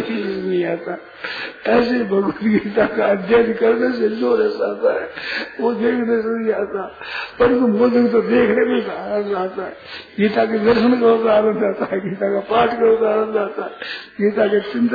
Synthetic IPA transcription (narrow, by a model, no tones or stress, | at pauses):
isnĩaːt̪a | ɛːs̬ebʱɐɡut̪ɡiːt̪akaɐd̪ʱjad̪ikɐɾnes̬eloːɾɛsaːt̪aɦɛod̪eːkʰnes̬enĩaːt̪a | pɐɾsomʊzəkt̪̬od̪eːkʰnebesaːɾə̃nd̪aːt̪aɦɛɡiːt̪ak̬ed̪əɾʃənkɐɾõkaːɾə̃nd̪aːt̪aɦɛɡiːt̪akapaːʈʰkɐɾok̪aːɾə̃nd̪aːt̪aɦɛɡiːt̪aket͡ʃɪnt̪